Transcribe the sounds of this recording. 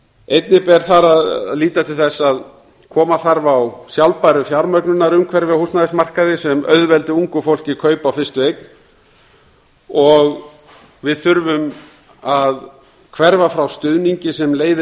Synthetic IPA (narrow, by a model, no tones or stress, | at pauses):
ejt̪nɪpɛɾ̥θaɾaðliːt̪at̪ʰɪlθɛsːað | kʰɔːmaθaɾvawsjawlpajɾʏfjawɾmœknʏnaɾʏmkʰvɛɾvɪhustnaðɪsmar̥kaðɪsɛmœ̰ðvɛlt̪ɪuŋkʏfowl̥cɪkʰœːɥpawfɪrst̪ʏvejkn | ɔɣ | vɪðθʏɾvʏm | að | kʰvɛɾvafɾawst̪ʏðniɲcɪsɛmleːjðɪ